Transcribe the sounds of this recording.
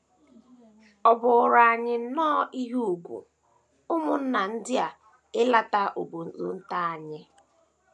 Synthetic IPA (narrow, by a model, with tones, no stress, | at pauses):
ɔ˨bʊ˨ʊ˨ɾa˨a˨ɲɪ˦nɔː˦i˦ɦu˦u˨ɡʷṵ˨ | ʊ˦mʊ˨n̩˦na˨n̩˦dɪ˦a˨ | ɪ˦la˦ta˦ʔo˨bu˨n̩˦zʊ̰˨n̩˦ta˦a˨ɲɪ˦